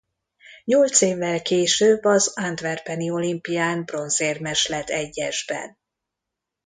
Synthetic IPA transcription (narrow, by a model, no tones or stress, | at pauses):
ɲolt̪seːvːɛlkeːʃøbɒzand̪vɛrpɛnio̞limpijaːnbro̞nzeːrmɛʃlɛt̪ɛɟːɛʒbɛ̰n